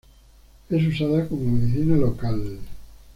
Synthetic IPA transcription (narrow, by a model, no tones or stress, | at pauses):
es̬usaðakomomeðiθinalokal